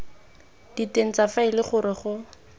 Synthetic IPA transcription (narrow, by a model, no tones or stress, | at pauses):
d̥iten̩t͡safaɪlɪχʊɾɪχʊ